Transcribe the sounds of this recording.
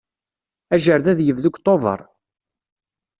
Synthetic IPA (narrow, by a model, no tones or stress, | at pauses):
æʒəɾðæðjəvðukt̪ˤovə̰ɾˤ